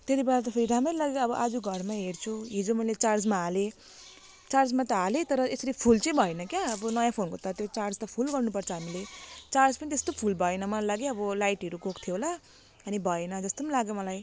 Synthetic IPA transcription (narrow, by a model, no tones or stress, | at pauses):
t̪et̪ibeat̪ʌpʰʌiɾʱameɾlaɡjeʌbʌʔad͡zuɡʱʌrmaɦert͡sʰuɦid͡zomʌjlet͡sard͡zmaɦale | t͡sard͡zmat̪ʌɦalet̪ʌɾʌesʌɾipʰult͡sʌj̃bʱʌenʌkjaʌbʌnʌjãpʰonkot̪ʌt̪jot͡sard͡zt̪ʌpʰulɡʌrnupʌrt͡sʰʌɦamilet͡sard͡zpʌnit̪est̪opʰulbʱʌenʌmʌllaɡjeʌbʌlajʈɦʌɾuɡokt̪ʰijola | ʌnibʱʌenʌd͡zʌst̪omlaɡjomʌlaj